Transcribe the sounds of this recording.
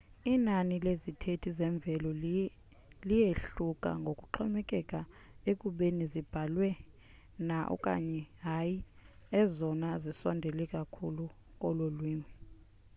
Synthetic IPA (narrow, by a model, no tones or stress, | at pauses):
inanilezitʰetʰizɛɱb̪vʱɛlɔ | lijeɬukʼa̰ŋɡʱokʼuǃʰɔmɛkʼɛkʼa | ekʼuɓenizib̥ʱalwɛ | naʔɔ̰kʼa̰ɲɛɦajiɛzɔnazisɔndʱɛlɛkʼakʰulu | kʼɔlolwiːmi